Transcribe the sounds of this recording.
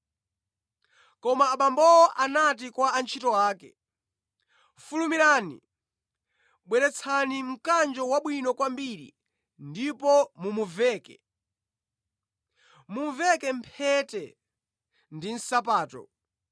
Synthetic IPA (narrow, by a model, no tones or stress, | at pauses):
kɔmaːɓambɔɔʔanat̬ikwaant͡ʃʰitɔwaːkɛ | fulumiɾaːnḭ | ɓwɛɾɛt͡sʰanim̩kand͡ʒɔwaɓwinɔkwambiɾḭ | ndipɔmumuvɛːkɛ̰ | muɱvɛkɛmpʰɛtɛ | ndin̩sapaːtɔ̰